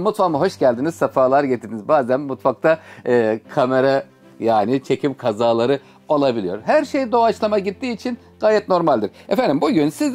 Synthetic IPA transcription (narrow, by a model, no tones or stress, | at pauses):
mut̪famɯɦo̞ʃɟælʲd̪inizsafaːlˠaɾɟet̪ʰiɾd̪inizbaːzænmut̪fak̚t̪ʰaɯːkʰame̞ɾa | jaːnɪt͡ʃʰe̞cʰimkʰazaːlˠaɾɯ | o̞lˠabilʲijo̞ɾɦæɾʃe̞jd̪o̞at͡ʃlˠamaɟit̪ːiːt͡ʃʰin | ɡ̥aːjɛt̪no̞ɾmalʲd̪iɾ̥ɛfænd̪imbuɟynsiz